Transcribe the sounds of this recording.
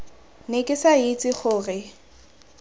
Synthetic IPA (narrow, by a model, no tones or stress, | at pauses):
nekʼɪsait͡sʼɪχʊːrɪ